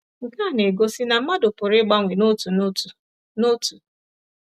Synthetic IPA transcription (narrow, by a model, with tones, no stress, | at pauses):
ŋ̩˨ka˦˨ne˨ɡo˦si˦na˨m̩˦ma˦dʊ˨pʊ˨ɾɪ˦ɡ͡ba˦ŋʷi˨no˦tu˨n˦u˨ | no˦tu̥˨